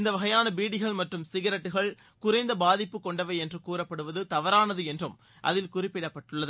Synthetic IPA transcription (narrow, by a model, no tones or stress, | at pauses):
ɪnd̪ɐʋɐɣɐjaːnɐbiːɽɪɣɐɭmɐʈrɯmsɪɣɐɾɐʈːɯɣɐɭ | kʊrɐɪnd̪ɐbaːðɪpːɯkːɔɳɖɐʋɐɪɛndrɯkuːrɐpːɐɽɯʋɐðɯt̪ɐʋɐɾaːnɐðɯɛndrɯm | ʔɐ̰ðɪlkʊrɪpːɪɽɐpːɐʈːɯɭːɐðɯ